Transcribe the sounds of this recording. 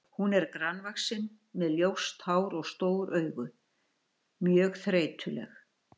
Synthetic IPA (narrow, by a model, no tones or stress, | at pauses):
hunɛɾkɾanvaxsɪn | mɛðljowst̪haːwɾɔɣst̪oːwɾʔœːɥɣʏ | mjœːɣθɾeːjt̪ʰʏlɛ̰x